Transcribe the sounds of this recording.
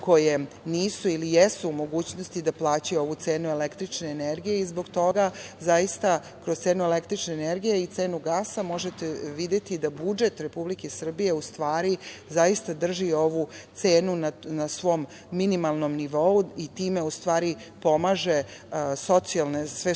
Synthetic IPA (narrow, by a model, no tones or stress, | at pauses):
ko̞je | niːsuilijesuːmo̞ɡuːt͡ɕnost̪id̪aplˠaːt͡ɕajo̞ʋut̪se̞ːnuelekt̪ɾit͡ʃne̞ːneɾɡijeizboɡt̪o̞ɡazajist̪a | kɾot̪se̞ːnuele̞kt̪ɾit͡ʃneːneɾɡijeit̪se̞ːnuɡaːsamo̞ʒet̪eʋid̪e̞t̪id̪abud͡ʒe̞t̪ɾe̞publikesr̩bije̞ust̪ʋaːɾizajist̪ad̪r̩ʒio̞ʋut̪se̞ːnunanasʋo̞mː | inimalˠno̞mniʋo̞uit̪iːme̞ust̪ʋaːɾipo̞maʒe̞so̞t̪sialnesʋe